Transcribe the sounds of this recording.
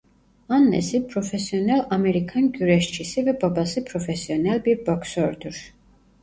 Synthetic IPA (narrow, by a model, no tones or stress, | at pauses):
anːɛ̰sipʰɾɔfɛsiɔnɛlamɛɾikʰanɡyɾɛʃt͡ʃʰisivɛbabasipʰɾɔfɛsiɔnɛlbiɾbɔksɔɾd̪uɾ